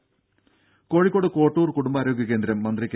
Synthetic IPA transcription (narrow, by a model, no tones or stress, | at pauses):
ko̞ːɻikːo̞ːɽɨko̞ːʈːuːrkuɽumbaːɾo̞ːɡʱʲjɐk̬end̪ɾɐmːɐnd̪rik